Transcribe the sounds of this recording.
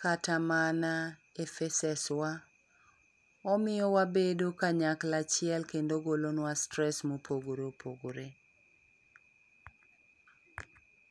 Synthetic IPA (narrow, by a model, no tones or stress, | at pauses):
katamana | efɛsɛswa | ɔmɪjɔwabedokaɲaklat͡ʃɪɛlkendoɡolonwastɾɛsmopʰoɡoɾopʰoɡoɾe